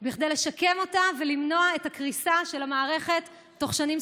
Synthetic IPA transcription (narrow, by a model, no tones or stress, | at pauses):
biχd̪ejleʃake̞mo̞tavelimno̞aetakʁisaʃe̞lamaːʁe̞χe̞tː | o̞χʃanim